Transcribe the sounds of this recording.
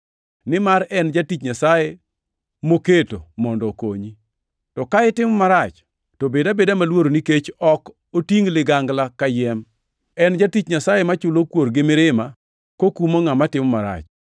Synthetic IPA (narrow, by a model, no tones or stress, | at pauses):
nɪmaɾɛnd͡ʒatit͡ʃɲasaje | moketomɔndɔko̰ɲi | tɔkaɪtɪmɔmaɾat͡ʃ | tobedabedamalwoɾoniket͡ʃɔk | otiŋlɪɡaŋɡlakajɛm | ɛnd͡ʒatit͡ʃɲasajemat͡ʃʊlokwoɾɡɪmɪɾɪma | kokumɔŋamatɪmɔmaɾa̰t͡ʃ